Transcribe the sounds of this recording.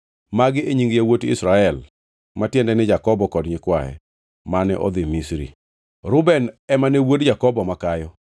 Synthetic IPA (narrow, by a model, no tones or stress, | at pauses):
maɡɪeɲiŋɡjawotɪ̰sɾaɛl | matjɛndɛnɪd͡ʒakɔbɔkɔdɲɪkwajɛ̰ | manɛʔɔ̰d̪ɪmisɾḭ | ɾʊbɛnɛmanewodd͡ʒakɔbɔmakajɔ